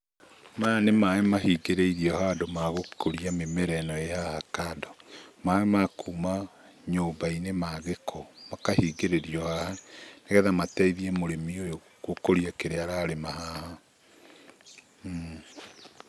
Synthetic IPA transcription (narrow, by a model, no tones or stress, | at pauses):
manemaɛmahiɡeɾeiɾiɔhadomaɣokoɾiamemɛɾɛnɔejahakadɔmaɛmakʰuːma | ɲoːmbainemaɣekʰɔmakahiːɡeɾeɾiɔhahaneɣɛðamatɛiðiɛmoɾemiojo | kokoɾijakeɾeaɾaɾemahaha